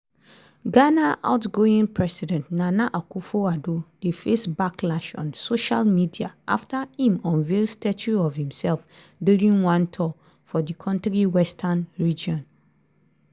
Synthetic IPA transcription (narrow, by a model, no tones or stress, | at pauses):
ɡanaʔa̰ʊtɡoĩŋpʰɹɛsidɛ̃ntnanaʔakufoadoefesbaklaʃɔ̰̃nsoʃalmidiaʔa̰ftʰahĩmɔ̃nvelstɛt͡ʃuɔvhĩmsɛlf | duɹĩŋwãntʰɔ | fɔdikʰɔ̃ntɹiwɛstʰanɹid͡ʒɔ̃n